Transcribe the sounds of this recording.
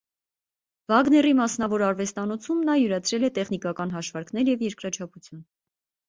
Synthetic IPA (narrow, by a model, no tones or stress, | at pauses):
vɑɡnɛrimɑsnɑvɔɾɑɾvɛst̪ɑnɔt͡sʰumnɑjuɾɑt͡sʰɾɛlɛt̪ɛχnikɑkɑn̪ɦɑʃvɑɾknɛɾjɛvjɛɾkɾɑt͡ʃʰɑput͡sʰjun